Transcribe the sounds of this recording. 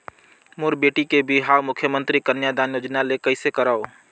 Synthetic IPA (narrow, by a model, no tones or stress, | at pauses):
mʊɾbeːʈikebʱiɦaːwmʊkʰjəmə̃nt̪ɾikənjad̪aːnjoːd͡ʒnalekəɪsekəɾaːo